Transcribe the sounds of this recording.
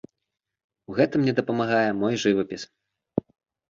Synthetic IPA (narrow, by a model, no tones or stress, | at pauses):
uɣɛt̪ɨmnʲɛd̪ɐpɐmaɣajɛmɔjʐɨvɐpʲis